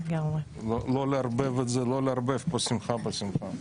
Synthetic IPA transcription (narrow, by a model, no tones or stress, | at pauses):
ɡamʁe | lololeaɾbevet̪zeloleaɾbefbosimχabosimχa